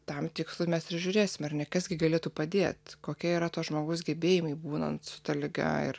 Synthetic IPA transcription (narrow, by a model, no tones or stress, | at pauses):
t̪ɐmt̪ʲɪkslˠʊmʲɛspʲɾʲɪʒʲʊɾʲeːsʲɪmɐɾnʲɛkɐsɡʲɪɡɐlʲeːt̪uːpɐd̪ʲeɛt̪koːkʲiɛiɾɐt̪uːʒmoːɡɐʊsɡʲɛbʲeːjɪmɐɪbuːnɐ̰nt̪sʊ̥t̪ɐlʲɪɡɐ̰ɪ̰r